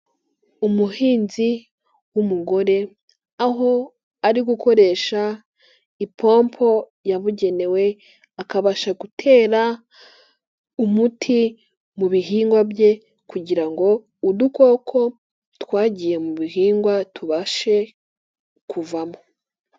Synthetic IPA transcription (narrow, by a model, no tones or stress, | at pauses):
umuhiːnzi | wumuɡo̞ɾe̞ | aɦo̞ | aɾiɡukʰo̞ɾe̞ʃa | ipʰo̞ːmpʰo̞ | jaβuɟe̞ne̞we̞ | akaβaʃaɡutʰe̞ːɾa | umutʰi | muβiɦiːŋɡwabje̞ | kuɟiɾaŋɡo̞ | uduko̞ːkʰo̞ | tkwaːɟije̞muβihiːŋɡwatuβaʃe̞ | kʰuvamo